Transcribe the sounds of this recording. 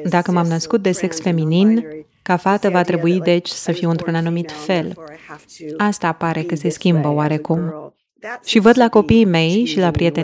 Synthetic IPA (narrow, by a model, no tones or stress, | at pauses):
d̪akəmamnəskut̪̚d̪e̞se̞ksfe̞minin | kafat̪əvat̪ɾe̞buid̪e̞t͡ʃʲsəfiwɨnt̪ɾunanumit̪fe̞l | ast̪apaɾe̞kəse̞skʲimbəoaɾe̞kum | ʃivəd̪lako̞pijme̞jʃilapɾijet̪e